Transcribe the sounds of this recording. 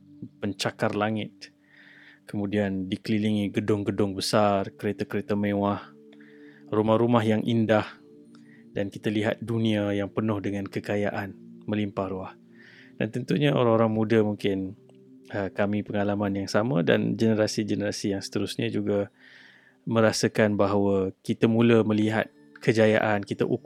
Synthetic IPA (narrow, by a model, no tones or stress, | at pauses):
pəɲt͡ʃakarlaŋɪt̪̚ | kəmũdiandikəliliŋiɡədʊŋɡədʊŋbəsarkəɾet̪akəɾet̪amewah | rumahɾumaɦjaŋʔindah | dankit̪aliɦa̰t̪̚dunĩajaŋpənʊhdəŋãnkəkaja̰ʔanmə̃limpahɾuah | d̥a̰nt̪ənt̪uɲao̰ɾaŋoɾaŋmudəmuŋkɪn | əkamipəŋalamanjaŋsamə̰̃da̰nd͡ʒənəɾasid͡ʒənəɾasijaŋsə̥t̪əɾusɲad͡ʒuɡa | mə̃ɾasəkanbaɦawəkit̪amuləməliɦa̰t̪̚ | kʰəd͡ʒaja̰ʔankit̪aʔu